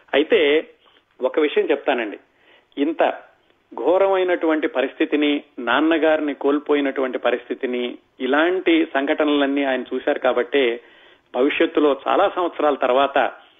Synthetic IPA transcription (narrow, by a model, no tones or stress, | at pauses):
ɐjit̪e̞ː | wokɐʋiʂɐjɐmt͡ʃɛp̚t̪aːnɐɳɖi | int̪ɐ̰ | ɡʱɔːɾɐmɐjnɐʈuʋɐɳʈipɐɾist̪ʰit̪ininaːnːɐɡaːɾiniko̞ːlipo̞ːjinɐʈuʋɐɳʈipɐɾist̪ʰit̪iniː | laːɳʈisɐŋɡʱɐʈɐnɐlɐnːiːaːjɐnɐt͡ʃuːsaːɾukaːbɐʈːe̞ː | bʱɐʋiʂjɐt̪ːulo̞ːt͡ʃa̰ːlaːsɐm̃ʋɐt̪sɐɾaːlɐt̪ɐɾʋaːt̪ɐ̰